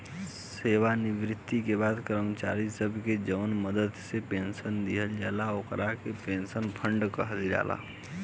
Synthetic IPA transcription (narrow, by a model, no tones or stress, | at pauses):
seːʋanɪʋɾɪt̪ːikebaːd̪kəɾmət͡ʃa̰ːɾisəbʱked͡ʒəʊnməd̪əd̪sepẽːnsənd̪iɦəld͡ʒaːlaoːkɾakepeːnsənpʰə̃ɳɖkəɦəd̪iɾa̰ːlʔa̰